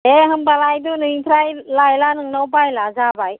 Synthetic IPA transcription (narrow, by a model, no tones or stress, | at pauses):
eɦɯmbalajdunɯjpʰɾajlajlanɯŋnəwpajlazabaj